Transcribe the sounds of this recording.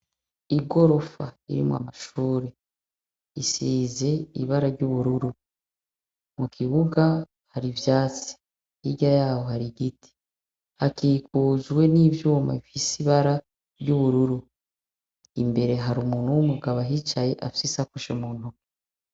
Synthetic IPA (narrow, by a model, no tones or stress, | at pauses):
iɡo̞ɾo̞fa̰ḭɾḭmwa̰maʃuːɾe | isiːze̞iβaɾaɾɟuβuɾuɾu | mukʰiβuɡa | haɾivjaːt͡si̥ | iɟajaːwohaɾiɡiti̥ | hakikuːzwe̞niːvjuːma̰ifisiβaɾa | ɾɟuβuɾuɾu | imbe̞ɾe̞ɦaɾumuːn̥uwumuɡaβaɦit͡ʃaje̞ʔafisisakuʃemuːn̥hu